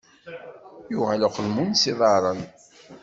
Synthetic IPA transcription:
juʁalaqəlmunsiðˤɑɾˤən

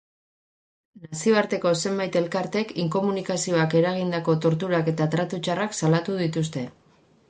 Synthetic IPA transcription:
nasio̞aɾt̪e̞ko̞se̞mbajt̪e̞lkaɾt̪e̞kiŋko̞munikasio̞ake̞ɾaɣ̞ind̪ako̞t̪o̞ɾt̪uɾake̞t̪at̪ɾat̪ut͡ʃaraksalat̪uðit̪ust̪e̞

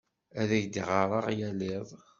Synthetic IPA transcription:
æðæʝd̪iʁɑɾˤɑʁjæleðˤ

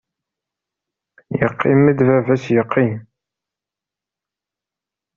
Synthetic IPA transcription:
jəqʰːimːid̪vævæsjəqːim

